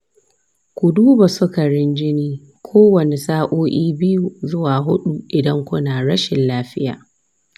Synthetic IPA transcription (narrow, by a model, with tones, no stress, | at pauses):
kʷʊ˨duː˦ba˨sʊ˦ka˨ɽɪ˦nd͡ʒɪ˦niː˦ | kʷʰoː˦wɐ˨ne˨saː˦ʔoː˦ʔiː˦bɪ˦ju˨zʊ˦waː˨ɦʊ˦ɗu˨ʔɪ˨dɐ˦ŋkʷʊ˦naː˨ɽɐ˦ʃɪ˨nlaː˦ɸɪ˦jaː˨